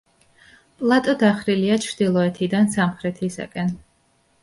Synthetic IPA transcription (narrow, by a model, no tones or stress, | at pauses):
pʼlˠat̪ʼɔd̪aχɾiliat͡ʃʰɾd̪̥ilˠɔɛt̪ʰid̪ansamχɾɛt̪ʰisa̰kʼɛn